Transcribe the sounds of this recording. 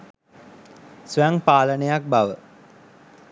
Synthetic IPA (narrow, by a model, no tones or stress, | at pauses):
sʋæŋpaːlənejak̚baʋə